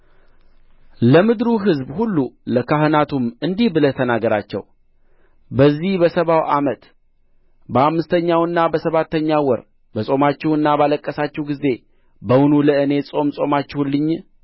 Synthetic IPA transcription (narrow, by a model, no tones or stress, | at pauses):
ləmɨd̪ɾuɦɨzbhulːuləkahɨnat̪ʰumɨnd̪ihbɨlət̪ʰənaɡəɾat͡ʃːɛ̰w | bəzːihbəsəβawʔamət̪ | bəamːɨst̪ʰəɲːawɨnːabəsəβat̪ːəɲːawɔɾ | bəsʼo̞mat͡ʃːɛwɨnːabaləkʼːəsat͡ʃːɛwɡize̞ | bəwʊnuləɨne̞sʼo̞msʼo̞mat͡ʃːɛhulːɨɲː